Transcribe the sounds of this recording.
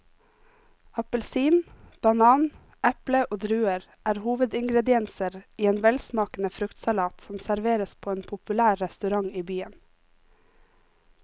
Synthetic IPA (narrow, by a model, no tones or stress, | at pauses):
ɑpəlsiːnb̥ɑnɑːn | ʔɛpləʔoːd̪ɾʉːəɾ | ʔæːɾhuːʋəd̪ɪŋɡɾɛd̪ɪɛnsəɾiːeːnʋɛlsmɑːkn̩əfɾʉkt̪sɑlɑːt̪sɔmsæɾʋeːɾəspʰoːeːnpʰʊpʉlæːɾːɛst̪ʉɾɑŋiːbyːən